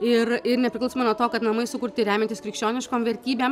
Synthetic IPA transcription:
ɪrɪrnʲɛpʲɾʲɪklˠʊsoːmɐnuɔt̪oːkɐt̪nɐmɐɪsʊkʊɾʲt̪ʲɪɾʲæːmʲɛnt̪ʲɪskɾʲɪkʃʲt͡ʃʲoːnʲɪʃkoːmʋʲɛɾʲt̪ʲiːbʲeːm

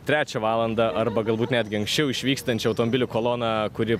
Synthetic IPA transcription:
t̪ʲɾʲæːt͡ʃʲɛʋɑːlˠɐnd̪ɐʔɐɾbɐɡɐlˠbuːt̪nʲæːd̪ʲɡʲɪɐŋksʲt͡ʃʲɛʊɪʃʲʋʲiːkst̪ɐnʲt͡ʃʲɛɐʊt̪omobʲɪlʲʊkoːlˠoːnɑkʊɾʲɪ

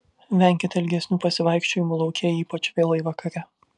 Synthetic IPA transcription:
ʋʲæˑŋʲkʲɪt̪ʲɛlʲɡʲɛsʲnʲuːpɐsʲɪʋɐˑɪkʃʲt͡ʃʲoːjɪmulˠɒʊkʲeːjiːpɐt͡ʃʋʲeːlˠɐɪʋɐkɐɾʲɛ

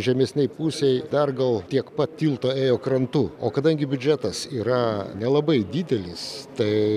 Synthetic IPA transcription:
ʒʲɛmʲɛsʲnʲɛɪpuːsʲɛjd̪ɐrɡɐlˠt̪ʲiɛkpɐt̪tʲiːlˠt̪oːeːjoːkɾɐnt̪uoːkɐd̪ɐŋʲɡʲɪbʲʊd͡ʒʲæt̪ɐsiːɾɐnʲɛlˠɐbɐɪd̪ʲid̪ʲɛlʲɪst̪ɐɪ

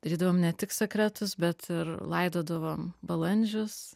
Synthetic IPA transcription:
d̪̥ɐɾʲiːd̪ɐʋoːmnʲɛt̪ʲɪksʲɛkɾʲɛt̪ʊsbʲɛt̪ʰɪɾlˠɐɪd̪oːd̪ɐʋoːmbɐlˠɐnʲd͡ʒʲʊs

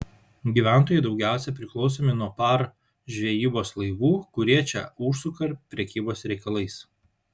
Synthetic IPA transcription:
ɡʲiːʋʲæˑnt̪oːjɛɪd̪ɒʊɡʲæˑʊsʲɛpʲɾʲɪklˠɒʊs̬ʲoːmʲɪnuɔpɐɾ | ʒʲʋʲɛjiːboːslˠɐɪʋuːkʊɾʲiɛt͡ʃʲɛ̰ʊʃsʊkɐɾʲpʲɾʲɛkʲiːboːsɾʲɛɪkɐlˠɐɪs

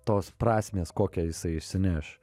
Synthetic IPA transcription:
t̪oːspɾɑːsʲmʲeːskoːkʲɛjɪsɐɪɪʃʲsʲɪnʲæːʃ

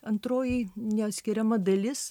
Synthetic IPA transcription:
ɐnt̪ɾoːjɪnʲɛɐt̪ʲsʲkʲɪɾʲɛmɐd̪ɐlʲɪs

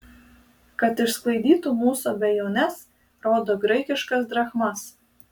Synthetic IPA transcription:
kɐt̪ɪʃsklˠɐɪd̪ʲiːt̪umuːsoːbʲɛjoːnʲɛs | ɾoːd̪oːɡɾɐɪkʲɪʃkɐsd̪ɾɐxmɐs

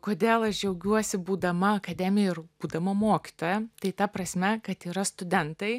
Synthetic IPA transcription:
koːd̪ʲeːlˠɐʃd͡ʒʲɛʊɡʲuɔsʲɪbuːd̪ɐmɐɐkɐd̪ʲɛmʲɪjɛɪɾbuːd̪ɐmɐmoːkʲɪ̥t̪oːjɛt̪ɐɪt̪ɐpɾɐsʲmʲɛkɐt̪iːɾɐst̪ʊd̪ʲɛnt̪ɐɪ

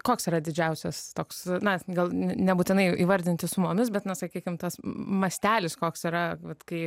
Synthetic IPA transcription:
koːksiːɾɐd̪ʲɪd͡ʒʲɛʊsʲɛst̪oːksnɐɡɐlˠnʲnʲɛbuːt̪ʲɪnɐɪʔḭːʋɐɾʲd̪ʲɪnʲt̪ʲɪsʊmoːmʲɪsbʲɛt̪nɐsɐkʲiːkʲɪmt̪ɐsmɐsʲt̪ʲæːlʲɪskoːksiːɾɐʋɐt̪kɐɪ

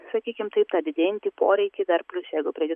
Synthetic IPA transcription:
sɐkʲiːkʲɪmt̪ɐɪp̚t̪ɑːd̪ʲɪd̪ʲeːjɪnʲt̪ʲipo̰ːɾʲɛɪkʲɪd̪ɐrpʲlʲʊsjɛɪɡʊpʲɾʲiːjʲɪ

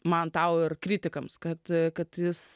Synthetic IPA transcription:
mɐnt̪ɐʊɪrkɾʲiːt̪ʲɪkɐmskɐt̪kɐt̪jɪs

